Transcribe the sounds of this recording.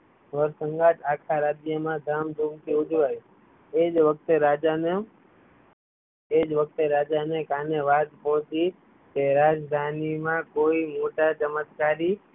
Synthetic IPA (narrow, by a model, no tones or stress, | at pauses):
ʋəɾsəŋɡat̪akʰaɾad͡ʒjəmãd̪ʱamd̪ʱumk̪iʊd͡ʒʋəj | ed͡ʒʋək̚ʰt̪eɾad͡ʒane | ed͡ʒʋək̚ʰt̪eɾad͡ʒanekaneʋat̪ɦɔ̃t͡ʃi | keɾad͡ʒd̪ʱanimãkoimoʈat͡ʃəmət̪kaɾi